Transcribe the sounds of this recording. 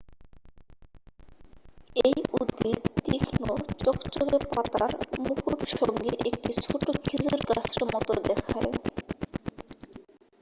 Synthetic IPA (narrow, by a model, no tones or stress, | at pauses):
ejud̪ːit̪ikʰnot͡ɕokt͡ɕoɡepat̪a̰ɾmukuɾʃoŋɡeʔek̚ʈit͡ɕʰoʈokʰid͡ʑuɾɡat͡ɕʰeɾmɔt̪od̪ɛkʰae